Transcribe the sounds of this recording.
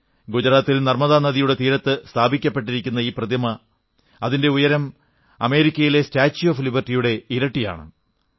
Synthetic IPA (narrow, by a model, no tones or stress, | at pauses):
ɡud͡ʑɐɾaːt̪ːilnɐrmɐðaːnɐðijuɽe̞t̪iːɾɐt̪ːɨst̪ʰaːbʱikʲːɐpːe̞ʈ̬ːiɾikʲːunːɐiːprɐd̪jɐmɐ | ɐðinde̞ujɐɾɐm | ɐme̞ːɾikʲːɐjile̞staːt͡ɕːoːflibɐrtːijuɽe̞iɾɐʈːija̰ːɳɨ̰